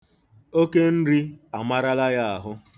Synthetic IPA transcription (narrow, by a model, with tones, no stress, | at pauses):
o˦ke˦n̩˦ɾi˦a˨ma˦ɾa˦la˦ja˦a˨ɦʊ˦